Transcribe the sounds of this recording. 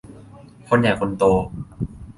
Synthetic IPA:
kʰo˧nja˨˩kʰo˧nt̪oː˧

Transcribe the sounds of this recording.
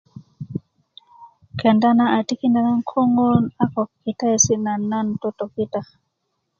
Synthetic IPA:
ke˨nda˦na˦ʔa˨ti˦ki˦nda˨na˦ŋkʰo˦ŋɡo˦na˦ko˨kkːi˨ta˦˨si˦na˨nːa˦nto˦to˨ki˦ta˦

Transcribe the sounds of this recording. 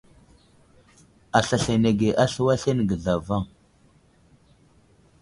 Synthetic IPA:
a˨ɬa˨ɬa˨ne˨ɡe˨ʔa˦ɬə˦wa˦ɬe˦n˨ɡə˨ɮa˨va˦˨ŋ

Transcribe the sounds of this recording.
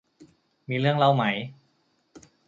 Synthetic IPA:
miː˧ɾɯ˥˩əŋla˧wma˦˥j

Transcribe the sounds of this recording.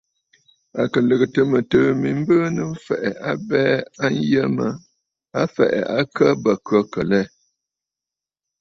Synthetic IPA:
a˨kə˨lə˨ɣə˨tə˨mə˨tɨː˨mi˨m̩˦bəː˦nɨ˦m̩˦fɛ˨ʔɛ˨ʔa˦bɛ˦a˦n˦jə˦mə˦ | a˦fɛ̰˨ʔɛ̰˨ʔa˦kə˦bə˨kɥə˦kə˨lɛ˦

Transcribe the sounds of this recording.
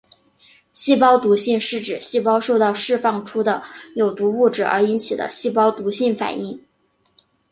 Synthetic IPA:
ɕi˥˩pɑ˥ʊt̪u˧˥ɕi˥˧ŋʂɻ̩˥˩ʈ͡ʂɻ̩˨˩ɕi˥˩pɑ˥ʊʂo˥˧ʊt̪ɑ˥˧ʊʂɻ̩˥˧fɑ˥˩ŋʈ͡ʂʰu˥d̪ə˨jo˨˩ʊt̪u˧˥u˥˩ʈ͡ʂɻ̩˨˩ə̰˞˧˥i˧˥nt͡ɕʰi˨˩d̪ə̰˦ɕi˥˩pɑ˥ʊt̪u˧˥ɕi˥˩nfa̰˨˩ni˥˩ŋ

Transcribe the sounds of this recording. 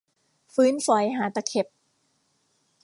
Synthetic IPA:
fɯː˦˥nfɔ˨˩˦jɦaː˩˦t̪a˨˧˩kʰe˨˩p̚

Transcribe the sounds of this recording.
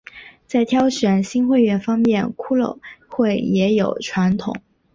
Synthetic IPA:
t͡sa˥˩ɪt̪ʰjɑ˥ʊɕə˧˥nɕi˥nxwe˥˧ɪɥɛ˥˩nfɑ˥ŋmjɛ˥˩nkʰu˥lo̰˨˩ʊxwe˥˩ɪjɛ˧˥jo˨˩ʊʈ͡ʂʰwa˧˥nt̪ʰʊ̰˨˩˦ŋ

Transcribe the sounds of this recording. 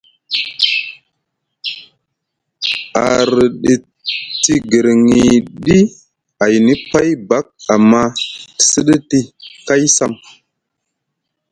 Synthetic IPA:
a˨ɾi˨ɗi˨ | ti˦ɡə˨ɾŋi˨ɗi˦ | a˨jni˦pa˦jba˦k̚a˨mːa˦ti̥˨sə˦ɗə˦ti˦ka˦jsa˦m

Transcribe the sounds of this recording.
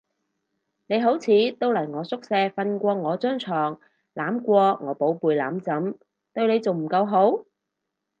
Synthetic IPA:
ne˨˧jɦo˨˥wt͡sʰiː˨˧t̪o˥wlɐ˨˩jŋɔː˨˧sʊ˥k̚sɛː˧fɐ˧nkʷɔː˧ŋɔː˨˧t͡sœː˥ŋt͡sʰɔː˨˩ŋ | laː˨˥mkʷɔː˧ŋɔː˨˧po˨˥wpuː˨˧jla̰ː˨˥mt͡sɐ˨˥m | t̪ɵ˧ɥne˨˧jt͡so˨wm̩˨˩kɐ˧wɦo˨˥w

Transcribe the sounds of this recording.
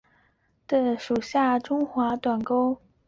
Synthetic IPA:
d̪̥ə˨˧ʂu˨˩ɕja˥˩ʈ͡ʂʊ˥ŋxwa˧˥t̪wa˨˩nko˥ʊ

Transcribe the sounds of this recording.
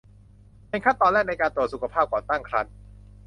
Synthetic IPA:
pe˧nkʰa˥˩t̪ːɔː˧nlɛː˥˩k̚na˧jkaː˧nt̪ɾu˨ət̪̚su˨˩kʰa˧pʰaː˥˩p̚kɔː˨˩t̪aː˥˩ŋkʰɾa˦˥n̚

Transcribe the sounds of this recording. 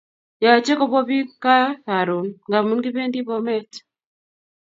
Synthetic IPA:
ja˨t͡ʃe˦kɔ˦bɔ˦βi˦ka˦a˨ɾu˨nŋɡa˨mu˨˦nɡi˦βe˦ndi˦βɔ˦mɛ˦t

